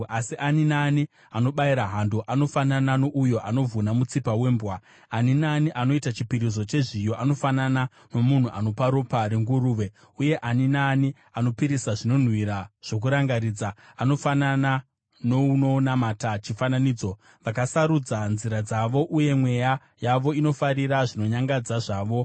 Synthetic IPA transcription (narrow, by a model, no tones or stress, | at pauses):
asiʔaninaːni | ano̞ɓaiɾaɦandoʔano̞fanananoʔujo̞ʔano̞vʱunamut͡sipawe̞ːmbwa | aninaːniʔano̞itat͡ʃipiɾiz̬ot͡ʃe̞ʐijo̞ʔano̞fanana | no̞mun̤uʔa̰no̞paɾopaɾeŋɡuɾuːʋe̞ | uje̞ʔaninaːni | ano̞piɾisaʐino̞n̤wiɾaʐ̥o̞k̬uɾaŋɡaɾiːd͡zaːno̞fanana | nouno̞namaːtat͡ʃifananiːd͡zo̞ | ʋakasaɾud͡zanziɾad͡zaʋo̞ʔuje̞mwe̞ja | jaʋo̞ino̞faɾiɾaʐino̞ɲaŋɡad͡zaʐaːʋo̞